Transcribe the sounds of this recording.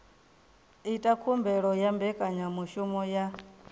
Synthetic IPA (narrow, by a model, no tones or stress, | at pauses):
itʼakʰumbɛɺɔjambɛkʼaɲamuʃumɔja